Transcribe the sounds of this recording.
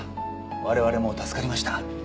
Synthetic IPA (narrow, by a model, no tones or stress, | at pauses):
βaɾe̞β̞aɾe̞mo̞t̪asɨ̥kaɾʲimaɕi̥t̪a